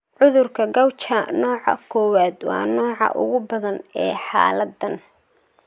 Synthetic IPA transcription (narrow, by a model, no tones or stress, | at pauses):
ʕʊðʊrkʰɐɡɐwt͡ʃɐnɔːʕɑ̰kʰɔːwaːd̪wɑ̰ːnɔːʕɑ̰ʔʊ̰ɣʊbɐðɐnɛːħɑ̰ːlɐd̪ɐn